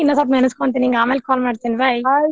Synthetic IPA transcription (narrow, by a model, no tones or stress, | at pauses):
inːɐsaːp̬mɐnɐskont̪eniːŋɡaːmeːlkaːlmaːɽt̪inibɐj